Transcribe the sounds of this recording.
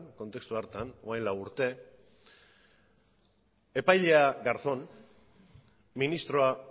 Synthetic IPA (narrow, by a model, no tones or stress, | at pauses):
nko̞nt̪e̞kst̪uaɾt̪anoajnlawuɾt̪e̞ | e̞pajʎe̞aɡaɾθo̞n | minist̪ɾo̞a